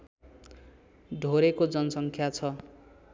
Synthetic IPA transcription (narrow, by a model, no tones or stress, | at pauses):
ɖʱoɾekod͡zʌnʌsʌŋkʰjat͡sʰʌ